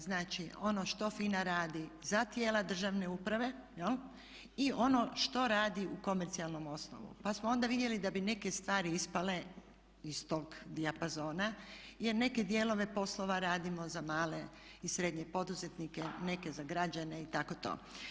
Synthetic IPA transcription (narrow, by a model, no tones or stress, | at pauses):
znaːt͡ʃio̞noʃt̪o̞fiːnaɾaːd̪izat̪je̞ːlad̪r̩ʒaʋne̞uːpɾaʋe̞jel | io̞no̞ʃt̪o̞ɾaːd̪iuko̞meɾt̪sialˠno̞mo̞sno̰ʋṵpasmoo̞nd̪aʋid̪je̞lid̪abine̞ke̞st̪ʋaːɾiispale̞ | ist̪oɡd̪iapazo̞ːnaje̞ɾne̞ke̞d̪je̞ːlo̞ʋe̞po̞slo̞ʋaɾaːd̪imo̞zamaːle̞ | isɾe̞d̪ɲe̞po̞d̪uze̞t̪nike̞ne̞ke̞zaɡɾad͡ʒane̞it̪ako̞t̪o̰ː